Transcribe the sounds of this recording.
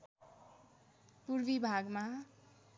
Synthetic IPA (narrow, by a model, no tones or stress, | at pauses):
purbibʱaɡma